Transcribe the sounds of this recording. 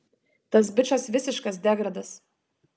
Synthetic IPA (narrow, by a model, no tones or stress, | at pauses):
t̪ɐs̬bʲɪt͡ʃɐsʋʲɪsʲɪʃkɐs̬d̪ʲɛɡɾɐd̪ɐs